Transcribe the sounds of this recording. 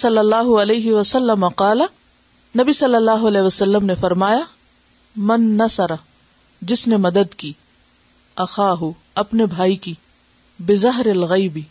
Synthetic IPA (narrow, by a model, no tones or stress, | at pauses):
sɐlːɐlːaːɦʊɐleːɦɪʋɐsɐlːɐmɐqɑːlɐ | nɐbisɐlːɐlːaːɦʊɐlɛːʋɐsɐlːəmnefɐɾmaːja | mɐnːɐsɐɾɐ | d͡ʒɪsnemɐd̪əd̪kiː | ɐxaːɦʊ | ɐpnebʱaːiki | bɪzɐɦɾɪlɣɐjbi